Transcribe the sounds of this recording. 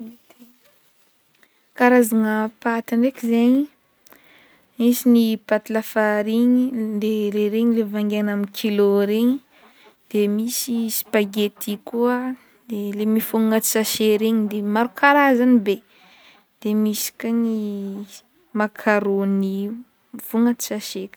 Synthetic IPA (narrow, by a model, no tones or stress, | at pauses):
t̪e | kaɾazaŋapat̪iɳrekʲizaɲi | misinipat̪ilafaɾiɲid̪eleɾeɲilevaŋɡanamikʰiloɾeɲi | d̪̥emisisi̥paɡet̪ikua | d̪̥elemifuŋŋat͡s̪i̥saʃeɾeɲid̪emaɾukʰaɾazanibe | d̪̥emisi̥kəni | makʰaɾoni | fuŋat̪i̥saʃekʲ